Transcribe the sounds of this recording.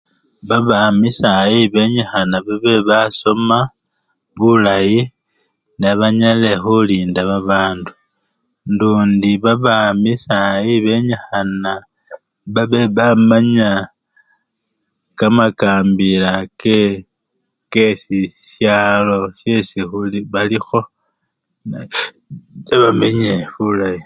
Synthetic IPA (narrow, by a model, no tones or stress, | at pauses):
βaβamisajiβe̞ɲaxanaβaβe̞βaso̞ma | βulaji | naβaɲale̞xuliːndaβaβaːndu | nduːndiβaβamisajiβe̞ɲexana | βaβeβamaɲa | kamakaːmbilake | kesisjaːlo̞sje̞sixuliβalixo̞ | n | eβameɲeβulaji